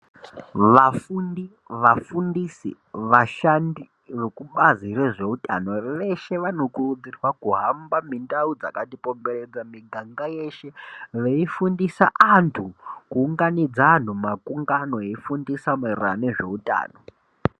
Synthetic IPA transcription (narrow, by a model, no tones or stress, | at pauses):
ʋafundi | ʋafundisḭ | ʋaʃandi | ʋe̞kuɓazireʐe̞uta̰no̞ʋe̞ʃe̞ʋano̞kurud͡zirwakuɦambamindaud͡za̰katipo̞mbe̞ɾed͡zamiɡʱaŋɡaje̞ʃe̞ʋeifundisaʔantʰukuːŋɡanid͡zan̤umakuŋɡano̞eifundisamerane̞ʐe̞uta̰ːno